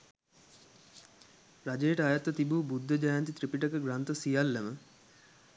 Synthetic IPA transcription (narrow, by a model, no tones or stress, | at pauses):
rad͡ʒejəʈəajat̪ːət̪ibuːbud̪ːəd͡ʒajant̪it̪ripiʈəkəɡɾant̪əsijalːemə